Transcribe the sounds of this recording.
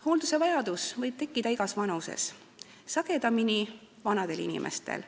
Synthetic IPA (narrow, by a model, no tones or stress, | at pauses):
ho̞ːld̪use̞vɑjɑd̪̥usvɤjb̥̚t̪e̞kːˑid̪̥ɑiɡɑsvɑnusḛs | sɑɡ̥e̞d̪ɑmini | vɑnɑd̪̥e̞linḭmʔḛst̪ḛl